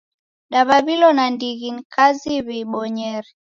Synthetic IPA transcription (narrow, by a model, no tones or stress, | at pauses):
ɗaβaβilɔnandiɣinikʰaziβiɓɔɲɛɾi